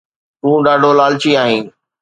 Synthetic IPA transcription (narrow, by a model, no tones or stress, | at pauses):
t̪ũːɗaːɖʱolaːlt͡ɕiaːɦĩː